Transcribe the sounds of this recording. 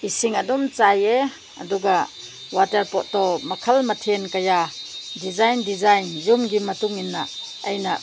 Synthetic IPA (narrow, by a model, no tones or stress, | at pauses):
isiŋadumt͡saje | ɐduɡa | wataɾpɔʔtɔmɐkʰɐlmɐtʰenkajadizajndizajnzumɡimːɐtuŋinːaʔ | ɐjna